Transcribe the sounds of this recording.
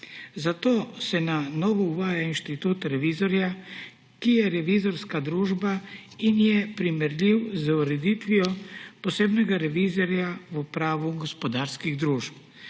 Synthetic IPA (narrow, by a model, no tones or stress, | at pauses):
zat̪oːsɛnanɔːʋɔuʋaːjainʃt̪it̪ut̪ɾɛʋizɔɾja | kijɛɾɛʋizɔɾskad̪ɾuːʒbainjɛpɾimɛɾlʲiwzuɾɛd̪it̪ʋiɔpɔseːbnɛɡaɾɛʋizɔɾjaʋupɾaːʋuɡɔspɔd̪aːɾskiɣd̪ɾuːʃp